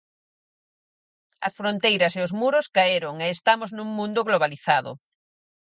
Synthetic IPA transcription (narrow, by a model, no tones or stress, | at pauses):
ɐ̰sfɾõnt̪ejɾɐseozmuɾoskaeɾoŋeːst̪amoznũŋmũnd̪oɣloβaliθaðʊ̰